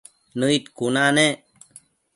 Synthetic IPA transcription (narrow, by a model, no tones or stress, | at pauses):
nəit̪kunane